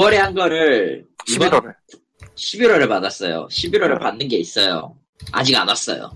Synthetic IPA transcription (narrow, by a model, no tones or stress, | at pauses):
ʌɾeɦanɡʌɾɯɭibʌ | ɕʰibiɾʌɾeɭpadas͈ʌ̰jo̰ɕʰibiɾwʌɾɯɭpanːɯnɡe̞is͈ʌjo̰ | a̰d͡ʑiɡa̰nas͈ʌ̰jo̰